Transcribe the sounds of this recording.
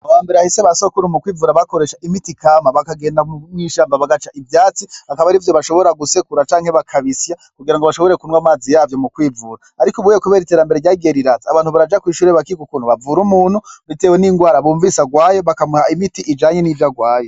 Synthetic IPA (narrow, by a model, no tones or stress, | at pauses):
awaːmbe̞ɾeahiseβasokuɾumukwiːvuɾaβakoɾe̞ʃaʔimitikamaβakaɡe̞ːndamŋiːʃaːmbaβaɡat͡ʃaʔivjaːt͡siakaβaɾivjoβaʃo̞βo̞ɾaɡusekuɾat͡ʃaːŋhe̞βakʰaβisjakuɡiɾaŋɡoβaʃoβo̞ɾe̞kunwamaːzijaːvjo̞mukwiːvuːɾaːɾikuβuːjekuβe̞ːɾiteɾambe̞ɾeɟaːɡeɾiɾazaaβaːnhuβaɾad͡ʒakwiːʃuːɾeβakiɡukuːnhuβavuɾumuːn̥huβiteweniŋɡwaːɾaβuːɱvisaɡwaːjoβakamuhaimitiʔid͡ʒaːɲe̞nivjaɡwaːjo